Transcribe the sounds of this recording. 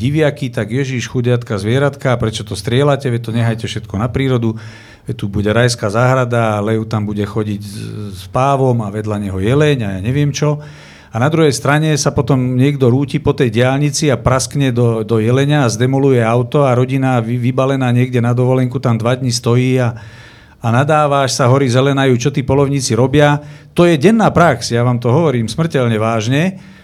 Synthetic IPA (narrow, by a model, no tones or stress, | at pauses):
iʋɪakit̪aɡjɛʒiʃxuɟɪat̪kazʋɪɛɾat̪kaːpɾɛt͡ʃɔt̪ɔst̪ɾɪɛlacɛʋɛt̪ɔɲɛɦajcɛfʃɛt̪kɔnapɾiːɾɔd̪u | ʋɛt̪ubuɟɛɾajskaːzaːɦɾad̪aːlɛʊt̪ambuɟɛxɔɟiɟspaːʋɔmaʋɛd̪laɲɛɦɔjɛlɛɲajaːɲɛʋɪɛmt͡ʃɔ | anad̪ɾuɦɛjst̪ɾaɲɛsapɔt̪ɔmɲɪɛɡd̪ɔɾuːciːpɔt̪ɛjɟɪalɲit͡siapɾaskɲɛd̪ɔd̪ɔjɛlɛɲaːzd̪ɛmɔlujɛaʊt̪ɔaɾɔɟinaʋibalɛnaːɲɪɛɡɟɛnad̪ɔʋɔlɛŋkut̪amd̪ʋad̪ɲist̪ɔjiːa | anad̪aːʋaʃsaɦɔɾizɛlɛnajuːt͡ʃɔt̪iːpɔlɔʊɲiːt͡siɾɔbɪat̪ɔjɛɟɛnːaːpɾaksjaʋaːmt̪ɔɦɔʋɔɾiːmsmr̩cɛʎɲɛʋaːʒɲɛ